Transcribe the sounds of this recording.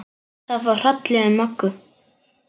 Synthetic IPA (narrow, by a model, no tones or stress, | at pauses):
θaðvar̥at̪lɛɣamœkːʏ